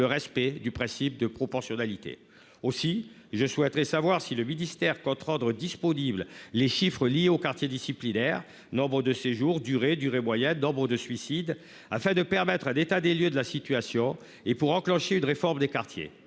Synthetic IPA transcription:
əʁɛspɛd̪ypχɛ̃sip̚d̪əpχɔpɔʁsjɔnalit̪ḛ | osi | ʒəswɛt̪ʁɛsavwaʁsiləminist̪ɛʁkɔ̃t̪χɑ̃d̪ʁəd̪ispɔniblleʃifχəlijeokaʁt̪jed̪isiplinɛʁ | nɔ̃bʁəd̪əseʒuʁd̪yʁed̪yʁemwajɛ̃nɔ̃bʁəd̪əsɥisid̪ | afɛ̃d̪əpɛʁmɛt̪χãnet̪ad̪eljød̪əlasit̪yasjɔ̃ | epuʁɑ̃klɑ̃ʃeynʁefɔʁmd̪ekaʁt̪jḛ

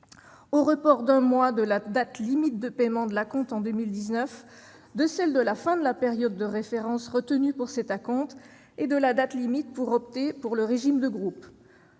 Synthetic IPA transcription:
oʁəpɔʁd̪ɛ̃mwad̪əlad̪at̪limit̪̚d̪əpɛmɑ̃d̪əlakɔ̃t̪ɑ̃d̪əmild̪iznəf | d̪əsɛld̪əlafɛ̃d̪əlapeʁjɔd̪ːəʁefeʁɑ̃sʁət̪ənypuʁsɛt̪akɔ̃t̪ | ed̪əlad̪at̪limit̪̚puʁɔp̚t̪epuʁləʁeʒimd̪əɡʁup

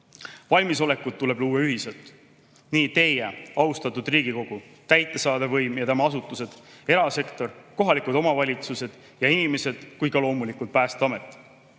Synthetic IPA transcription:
vɑlʲmiso̞le̞kːut̪̚t̪ːule̞b̥luːweyɦiselt̪ːˑ | niːt̪e̞jeɑust̪ɑt̪ːud̪riːɡ̥iko̞ɡ̥u | t̪æjt̪ːˑe̞sɑːd̪evɤjmjɑt̪æmɑɑsut̪ːˑuse̞d̪̥e̞ɾɑse̞kt̪o̞rko̞ɦɑlikud̪o̞mɑvɑlʲit̪suse̞d̪̥ | jɑinime̞se̞d̪̥kujkɑlo̞ːmulikut̪̚pæːst̪eɑme̞t̪ːˑ

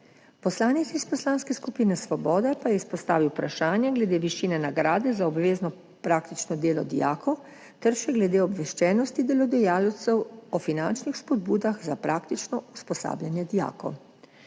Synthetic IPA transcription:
pɔslaːnit̪sispɔslaːnskɛskupiːnɛsʋɔbɔːd̪ɛpajɛispɔst̪a̰ːʋiwpɾaʃaːnjaɡlɛd̪eːʋiʃiːnɛnaɡɾaːd̪ɛzaɔbʋeːznɔ | pɾaːkt̪it͡ʃnɔd̪eːlɔd̪ḭja̰ːkʰɔw | t̪ɛɾʃɛɡlɛd̪eːɔbʋɛʃt͡ʃɛːnɔst̪id̪ɛlɔd̪ɛjaːlt̪sɛwɔfinant͡ʃnixspɔd̪buːd̪axzapɾʔaːkt̪it͡ʃnɔuspɔsa̰ːbljanjɛd̪ija̰ːkɔ̰w

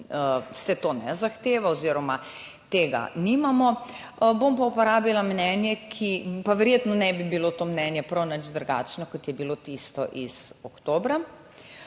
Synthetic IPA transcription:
sɛt̪oːnɛ̰zaxt̪eːʋaoziɾɔma | t̪eːɡa̰nimamɔ | bompaupɔɾaːbilamnɛnjɛkʰipaʋɛɾjeːt̪nɔnɛbibilot̪oːmnɛnjɛpɾɐwnɐd͡ʒd̪ɾuɡa̰ːt͡ʃnɔkɔt̪jɛbilot̪ist̪ɔʔizɔkt̪oːbɾa

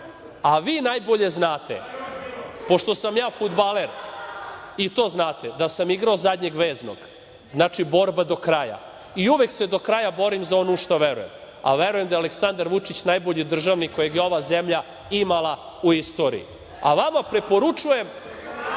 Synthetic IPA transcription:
aʋiːnajbo̞ʎe̞znaːt̪ḛ | po̞ʃt̪o̞samjaːfud̪baleɾ | it̪o̞ːznaːt̪ed̪asamiɡɾaozad̪ɲe̞ɡʋeːzno̰ɡ̥ | znaːt͡ʃibo̞ɾbad̪o̞kɾaja̰ | iuʋekse̞d̪o̞kɾajabo̞ɾimzaonuʃt̪aʋeɾṵjem | a̰ʋeɾuje̞md̪aealeksand̪aɾʋut͡ʂit͡ɕnajbo̞ʎid̪r̩ʒaʋnikojeɡjeo̞ʋazemʎa | imalˠa | uist̪o̞ːɾḭḭ | aʋamapɾepo̞ɾut͡ʂuje̞m

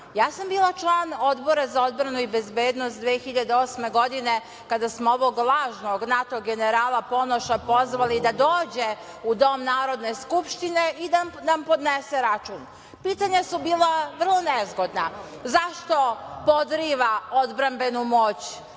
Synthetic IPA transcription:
jaːsambiːlat͡ʃlˠaːno̞d̪bo̞ɾazao̞d̪bɾanuibe̞zbe̞ːd̪nost̪d̪ʋexiʎad̪eo̞ːsme̞ɡo̞d̪ine̞ | kad̪asmooʋo̞ɡlˠaːʒnoɡnat̪o̞ɡe̞neɾaːlˠapo̞noʃapo̞zʋalid̪ad̪oːd͡ʑe̞ | ud̪o̞mnaːɾo̞d̪ne̞skupʃt̪ine̞ʔid̪anampo̞d̪nese̞ɾat͡ʃuːn | piːt̪aɲasubiːlˠaʋr̩lˠo̞ne̞zɡo̞d̪na | zaʃt̪o̞po̞d̪ɾiːʋao̞d̪bɾambe̞numo̞ːt͡ɕ

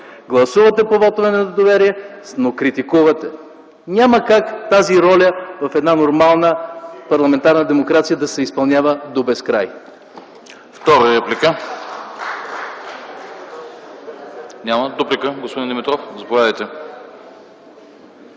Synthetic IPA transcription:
ɡlˠɐsuvɐt̪ɛpovɔt̪ovɛnɛt̪od̪ovɛɾiɛnokɾit̪ikuvɐt̪ɛ | nʲaməkakt̪aziɾɔlʲəvɐfɛd̪nanoɾmalˠnəpɐɾlˠɐmɛnt̪aɾnəd̪ɛmokɾat̪sijəd̪ɐsɛispɐlˠnʲjavəd̪obɛskɾaj | ft̪ɔɾəɾɛplʲikə | nʲaməd̪oplikəɡospod̪ind̪ʲimit̪ɾɔfzɐpovʲjad̪əjt̪ɛ

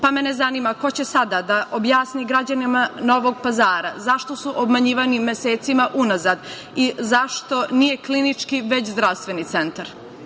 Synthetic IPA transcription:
pamene̞zanimako̞t͡ɕe̞sad̪ad̪aʔobjaːsniɡɾad͡ʑanimano̞ʋo̞ɡpazaːɾazaʃt̪o̞suʔobmaɲiːʋanimːje̞seːt̪simaʔunazaːd̪ | izaʃt̪o̞nije̞klinit͡ʂkiʋe̞t͡ɕzd̪ɾaʋst̪ʋe̞nit̪se̞nt̪aɾ

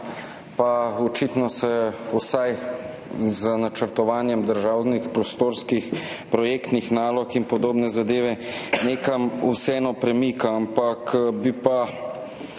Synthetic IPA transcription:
paɔt͡ʃit̪nɔsɛusaj | zənat͡ʃəɾt̪ɔʋaːnjɛmd̪əɾʒaːwnixpɾɔst̪oːɾskix | pɾɔjeːkt̪nixnaːlɔkinpɔd̪oːbnɛzad̪eːʋɛneːkamusɛɛːnɔpɾɛmikaampakbipa

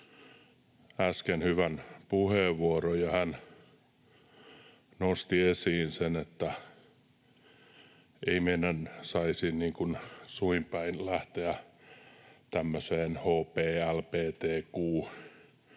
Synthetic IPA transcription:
æskenhyʋænpuheːˑʋʋuorojjɑhæn | nost̪iesiːnsenet̪ːæ | eimeinænsɑisinniːŋkunsuimpæinlæht̪eæ | t̪æmːøseːnhoːpeːælpeːt̪eːkuː

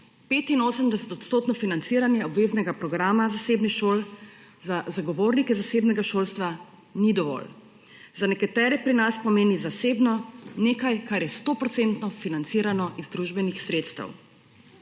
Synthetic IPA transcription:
peːt̪inoːsəmd̪ɛsɛ̥t̪ɔt̪st̪oːt̪nɔfinant̪siɾanjɛɔbʋeːznɛɡapɾɔɡɾaːmazaseːbnixʃoːl | zazaɡɔʋoːɾnikɛzaseːbnɛɡaʃoːlst̪ʋa | nid̪ɔʋɔ̰l | zanɛkat̪ɛːɾɛpɾinaspɔmeːnizaseːbnɔneːkajkaɾjɛst̪oːpɾɔtsent̪nɔfinant̪siːɾanɔʔizd̪ɾuʒbɛnixsɾeːt̪st̪ɛ̰w

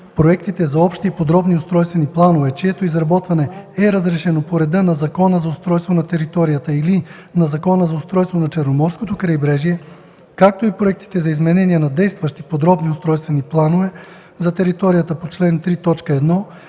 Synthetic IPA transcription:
pɾoɛkt̪it̪ɛzɐɔpʃt̪ipod̪ɾɔbniost̪ɾɔjst̪vɛniplˠanovɛt͡ʃiɛt̪oizɾɐbɔt̪vɐnɛɛɾɐzɾɛʃɛnopoɾɛd̪ənɐzɐkɔnəzɐost̪ɾɔjst̪vonɐt̪ɛɾit̪ɔɾijət̪əili | nɐzɐkɔnəzɐʊst̪ɾɔjst̪vonɐt͡ʃɛɾnomɔɾskot̪okɾɐjbɾɛʒiɛ | kak̚t̪oipɾoɛk̚t̪i̥t̪ɛzɐizmɛnɛniɛnɐd̪ɛjst̪vɐʃt̪ipod̪ɾɔbniost̪ɾɔjst̪vɛniplˠanovɛ | zɐt̪ɛɾit̪ɔɾijət̪əpot͡ʃlɛnt̪ɾit̪ɔt͡ʃkəɛd̪nɔ

